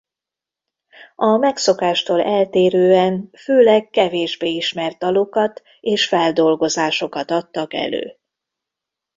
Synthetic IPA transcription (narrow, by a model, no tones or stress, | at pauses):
ɒmɛkso̞kaːʃt̪oːlɛlt̪eːɾøːɛnføːlɛkːɛveːʒbeːiʃmɛrt̪ɒlokɒt̪ | eːʃfɛld̪o̞lɡo̞zaːʃo̞kɒt̪ɒt̪ːɒkɛ̰lø̰ː